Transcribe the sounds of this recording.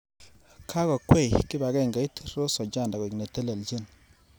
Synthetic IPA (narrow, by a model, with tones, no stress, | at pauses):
kʰa˦kɔ˨kwɛ˦˨jkɪ˦ba˨kɛ˦˨ŋɡa˨i˦tɾo˦sɔ˨d͡ʒa˦˨nda˨ɡɔ˨kne˨te˦le˨ld͡ʒi˦˨n